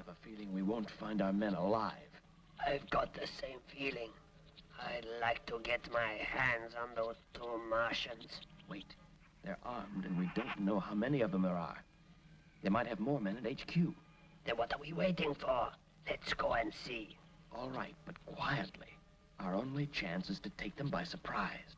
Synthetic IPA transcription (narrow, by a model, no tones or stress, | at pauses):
ɨvəfilˠɪ̃ŋwiwõʊ̃ntfãɪ̃ndaʊə˞mɛ̃nəlaɪv̥ | aɪvɡɑt̪̚ðɨsẽɪ̃ɱfilˠɪ̃ŋ | aɪlaɪk̚tʰəɡɛtmaɪhæ̃ndzə̃nðətʰumɑɹʃɨ̃nz̥weɪt̪̚ | ðə˞ʔɑɹmdɨ̃nwidõʊ̃nnoʊhaʊmɛniʌvðə̃mðə˞ə̰˞ | ðeɪmaɪt̚hɨvmɔɹmɛ̃nɨɾeɪt͡ʃkʰj̥u | ðɨ̃nwʌɾə˞wiweɪɾɪ̃ŋfə˞ | lɨtsɡ̥oʊɨ̃nsi | ʔɔlˠɹaɪt̚b̥ʌt̚kʰw̥aɪɨtˡli | aʊə˞õʊ̃nweɪt͡ʃʰæ̃nsɨz̥tɨtʰeɪk̚ðɨ̃mbaɪsə˞pʰɹ̥aɪz̥